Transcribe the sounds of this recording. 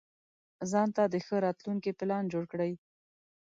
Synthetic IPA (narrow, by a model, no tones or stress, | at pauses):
zɑnt̪ad̪əxəɾɑt̪luŋkipɪlɑnd͡ʒoɽkɽəj